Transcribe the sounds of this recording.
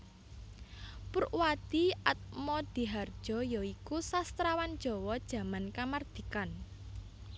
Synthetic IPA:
puɾʔwad̪̥iat̪̚mɔd̪̥i̤ɦard̥ʒ̥ɔ̤jɔikusast̪ɾawand̥ʒ̥ɔ̤wɔd̥ʒ̥ä̤mankamard̪̥i̤kan

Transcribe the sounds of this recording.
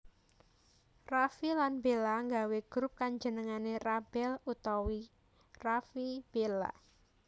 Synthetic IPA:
rafilanbelaŋɡaweɡ̥ɾup̚kaɲd͡ʒənəŋanerab̥ɛlut̪ɔwi | rafib̥ela̰

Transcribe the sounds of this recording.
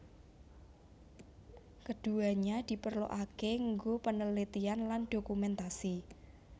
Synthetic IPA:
kəɖ̥uaɲad̪̥i̤pərlo̰ʔakeŋɡopənəlit̪ianlanɖ̥okumɛnt̪asi

